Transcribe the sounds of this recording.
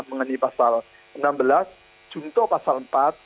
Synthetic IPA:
məŋənipasal | ʔənambəlas | d̥ʒ̥ṳnt̪ɔʔpasalmpat̪̚

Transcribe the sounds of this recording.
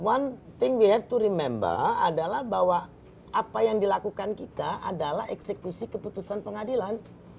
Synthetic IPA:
want̪ɪŋwiɦɛt̚t̪uɾimɛmba̰adalahbaɦwa | apajaŋdilakukankit̪aʔadalahɛksəkusikəput̪usanpəŋadilan

